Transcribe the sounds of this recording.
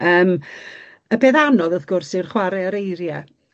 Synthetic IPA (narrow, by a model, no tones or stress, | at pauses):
əːm | əbeːðanɔðəðɡ̥ʊrsɪrχwaɾɛəɾejɾjɛ